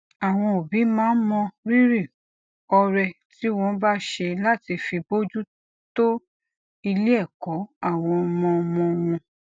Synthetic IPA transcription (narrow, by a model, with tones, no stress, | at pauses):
a˨w̃ɔ̃˧o˨bi˨˦mãː˦n̩˦mɔ̃˧ɾi˦ɾi˦˨ | ɔ˧ɾɛ˧ | ti˦w̃ɔ̃˧ba˦ʃe˧la˦ti˧fi˧bo˦d͡ʒu˦ | to˦ | i˧le˦ɛ˦˨kɔ˨˦a˦˨w̃ɔ̃˧ɔ˧mɔ̃˧mɔ̃˧w̃ɔ̃˧